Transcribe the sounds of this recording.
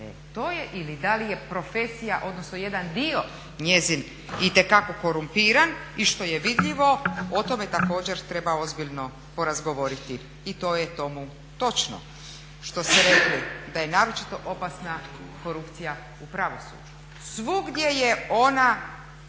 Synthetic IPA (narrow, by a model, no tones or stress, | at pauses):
ḛ | t̪ojeʔilid̪alije̞pɾo̞fe̞sijaʔo̞d̪nosno̞je̞d̪and̪io̞ | ɲe̞zin | it̪e̞kako̞ko̞ɾumpiːɾaniʃt̪o̞jeʋid̪ʎʲiʋo̞o̞t̪o̞me̞t̪ako̞ːd͡ʑe̞ɾt̪ɾe̞bao̞zbiʎno̞ | po̞ɾazɡoʋo̞ɾit̪i | it̪o̞jet̪o̞mu | t̪o̞t͡ʃno̰ | ʃt̪o̞seɾe̞klid̪aje̞naːɾo̞t͡ʃit̪o̞ʔopasna | ko̞ɾupt̪sija | upɾaʋo̞sṵːd͡ʒu | sʋuɡd̪jejeo̞na